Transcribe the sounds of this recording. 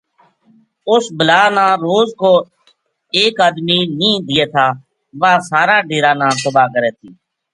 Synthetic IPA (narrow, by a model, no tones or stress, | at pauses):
ʊsbəlaːnãːɾoːzkoː | eːkaːd̪miːnĩːd̪ɪjeːt̪ʰaː | ʋaːsaːɾaːɖeːɾaːnãːkəbaːkəɾeːt̪ʰiː